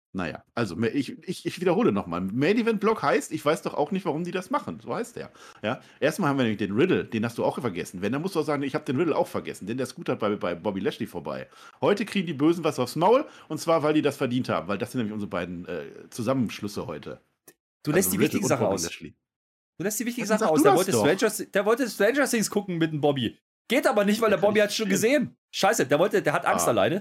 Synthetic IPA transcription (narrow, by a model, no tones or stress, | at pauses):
na̰ja̰ːʔalzomɛʔɪçɪçɪçv̥iːdɐhoːlənɔχma̰ːlmɛdivɛnt̚b̥lɔkhaɪstɪçv̥aɪsd̥ɔχa̰ʊxnɪçtv̥aʁʊmdiːdasmaχn̩zoːhaɪstḛːɐ̰jaː | ʔeːɐstmalhamviɐnɛːmɪçd̥eːnʁɪdl̩d̥eːnhastd̥uːaʊxfɛɐɡɛsn̩vɛndanmʊstd̥uːaʊzaːɡŋɪçhaːbə̥deːnʁɪdl̩a̰ʊxfɛɐɡɛ̰sn̩dɛndeːɐsɡ̥uːthat̚b̥aɪbaɪbɔbilɛʃlifoːɐba̰ɪ | hɔʏtəkʰiːɡŋ̩diːbøːzn̩vasaʊfsmaʊlʔʊntt͡sv̥aːɐvaɪldiːdasfɛɐdiːntha̰ːbm̩vaɪldasɪntnɛmɪçʔʊnzəʁəbaɪdn̩ʔɛ̰ːt͡suzamənʃlʏsəhɔʏtʰə̰ | d̥uːlɛsdiːɪtɪɡzaχəʔaʊsɛlḭ | d̥uːlɛstd̥iːvɪçtɪɡŋ̩zaχaʊeɐvɔltəɛnd͡ʒɐsd̥eːɐvɔltəstv̥ɛnd͡ʒɐsɪŋsɡ̥ʰʊkŋ̩mɪtmbɔbi | ɡ̥eːtʔaːbɐnɪçtv̥aɪldeɐbɔbihatsʃoːnɡəzeːən | ʃaɪsədeːɐvɔltədeːɐhatʔa̰ŋstala̰ɪnə